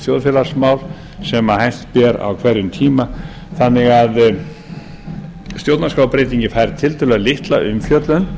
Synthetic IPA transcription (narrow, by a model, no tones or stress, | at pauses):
t̪jowðfɛlḁsmawl | sɛmahajn̥t̪pɛɾa̰wkʰvɛɾjʏnt̪ʰiːma | θanːɪɣað | st̪jowt̪naskawpɾeːjt̪̬iɲcɪfaːjɾt̪ʰɪlt̪ʰʏlɛɣlɪht̪la̰ʔʏmfjœt̪lʏn